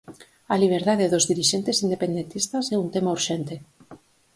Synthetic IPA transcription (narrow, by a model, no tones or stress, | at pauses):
aliβ̞eɾðaðeðozðiɾiʃent̪esind̪epend̪ent̪ist̪asɛunt̪emauɾʃent̪e